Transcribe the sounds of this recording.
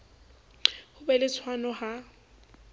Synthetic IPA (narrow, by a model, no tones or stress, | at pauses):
hʊbɛlɪt͡sʰwanɔha